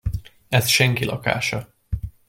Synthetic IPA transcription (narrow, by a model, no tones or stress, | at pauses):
ɛsʃɛŋkilʔɒ̰ka̰ːʃɒ